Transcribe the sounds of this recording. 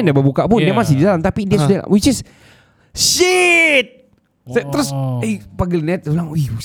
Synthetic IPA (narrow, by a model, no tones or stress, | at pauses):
ndabərbukaʔpʊndamas̬ɪhdidalamt̪apidiasudal̰wit͡ʃɪs | ʃɪt̪̚ | sat̪əɾʊsɛjpaɡɪlnɛt̪̚ulaŋo